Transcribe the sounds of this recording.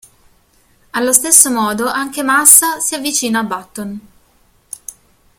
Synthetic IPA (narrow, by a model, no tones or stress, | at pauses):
alːost̪esːomɔːd̪oʔaŋk̟emasːasiavːit͡ʃiːnaːbːat̪ːon